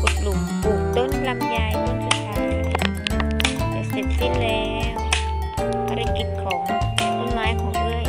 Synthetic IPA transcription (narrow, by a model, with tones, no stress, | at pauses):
ʔo˨˩t̪̚lu˨˩mpuː˨˩d̪o˧˥˩n̚plaː˧˥˩p̚jaː˧jku˧˥˩nsʰɯ˧˥˩kaː˧j | ta˧˩se˨˩t̪̚si˧˥˩nlɛː˦˥w | pʰaː˧ɾa˧ki˨˩t̪̚kʰɔː˨˩˦ŋa˧˥˩mnaː˧˥jkʰɔː˨˦ŋɾɯ˧˥˩əj